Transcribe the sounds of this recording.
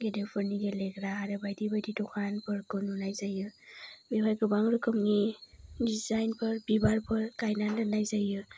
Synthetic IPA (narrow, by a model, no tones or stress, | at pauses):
ɡedepʰɯɾniɡeleɡɾaaɾɯbajdibajditɔkʰanpʰɯɾkɯnunajzajɯbibajkɯbaŋɾɯkɯmŋidizajnpʰɯɾbibaɾpʰɯɾkajnalɯnajzajɯ